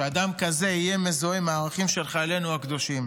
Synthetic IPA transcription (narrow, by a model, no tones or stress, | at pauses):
ead̪amkaze̞ijemezoemaːʁaχimʃe̞lχaele̞nuakd̪o̞ʃim